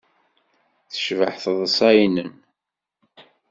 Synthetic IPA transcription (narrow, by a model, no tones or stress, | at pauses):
θə̥ʃvəħθəðˤəsˤæjnən